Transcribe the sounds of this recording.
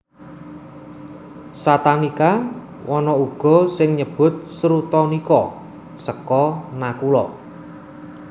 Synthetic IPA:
sat̪anika | wɔnɔuɡ̥ɔ̤sɪŋɲəb̥ʊ̤t̪̚sɾut̪ɔnikɔ | səkɔnakulɔ̰

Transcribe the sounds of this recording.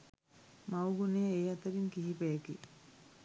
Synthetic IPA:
mawɡuneːejat̪əɾinkiɦipejeki

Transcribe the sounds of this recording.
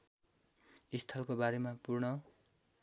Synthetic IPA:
ist̪ʰʌlkobaɾemapurnʌ

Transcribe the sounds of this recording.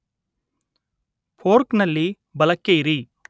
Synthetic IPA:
pʰoːɾknɐlːi | bɐlɐkːeiɾi

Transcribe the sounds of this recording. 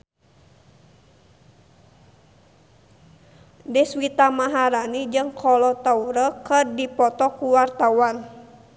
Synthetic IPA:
dɛswit̪amaɦaɾanid͡ʒɨŋkʰɔlɔt̪auɾəkərdipɔt̪ɔkuwart̪awan

